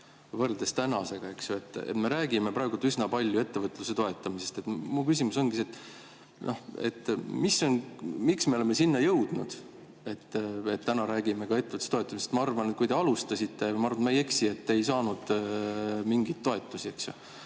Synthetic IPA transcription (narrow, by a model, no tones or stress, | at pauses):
vɤrd̪̥est̪ænɑse̞ɡ̥ɑe̞ksjue̞t̪ːḛt̪me̞ɾæːɡ̥ime̞pɾɑeɡult̪ysnɑpɑlʲjue̞t̪ːe̞vɤt̪ːˑluse̞t̪o̞e̞t̪ːˑɑmise̞st̪e̞t̪mukys̬imuso̞nɡ̥iset̪ːˑ | nʔohe̞̰t̪ːmisːo̞nmiksme̞o̞leme̞sinːɑjɤ̞wd̪̥nud̪̥ | et̪ːet̪ːænɑɾæːɡ̥imekɑe̞t̪ːeət̪u̥st̪ot̪ˑːɑmisest̪mɑɑrvɑnet̪̚kujd̪e̞ɑlust̪ɑsit̪ːe̞jmɑɑrvɑnmeje̞ksie̞t̪ːe̞jsɑːnud̪̥ | miŋɡit̪ːo̞e̞t̪ːˑusie̞ksjo̰